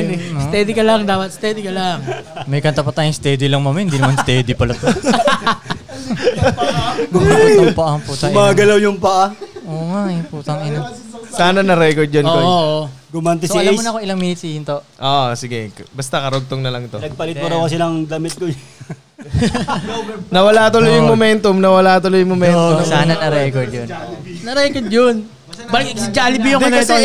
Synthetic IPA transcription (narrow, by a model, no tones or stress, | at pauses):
st̪ɛd̪ɪkɐlɐŋd̪aːpɐt̪̚st̪ɛd̪ikɐlaŋmɐjkɐnt̪apɐt̪aːjʊŋst̪ɛːd̪ɪlɐŋmɐmɛhɪnd̪iːnɐmanst̪ɛːd̪ɪpɐlɐt̪o | ɡʊmaoŋpɐʔaput̪ɐʔmaɡɐlawjʊŋpɐʔaʔoːŋaʔpuːt̪ɐŋɪnosaːnɐnɐɾɛkoɹd̪̚d͡ʒɐnooooɡʊmant̪ɛsoiɐajmonɐkoɪlɐŋmiːit̪siːhɪnt̪oʔoːʔsɪɡɛbɐst̪akɐɾoɡ̚t̪oŋnɐlɐŋt̪onɐɡ̚pɐlɪpoɾɐwkɐs̬ɪnɐŋd̪ɐmɪt̪̚koj | nɐwɐlat̪olojʊŋmomɛnt̪omnɐwɐlaʔt̪ʊlojʊŋmomɛnosaːnɐnɐɾɛːkoɹd̪jonnɐɾɛkoɹd̪jon | bɐsɪd͡ʒaːlɪbijʊŋkɐnɐt̪o